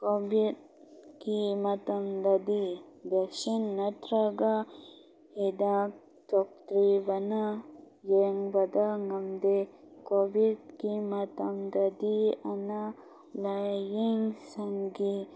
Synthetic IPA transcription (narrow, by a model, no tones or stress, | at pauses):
kobid | kimɐt̪ɐmd̪ɐd̪i | d̪ɐʃinːɐt̪ɾɐɡa | hid̪a | t̪ok̚t̪ɾiʋɐnɐ | jeŋbɐd̪ɐŋɐmd̪e | kobidkimɐt̪ɐmd̪ɐd̪iɐnɐ | lajiŋsɐŋɡi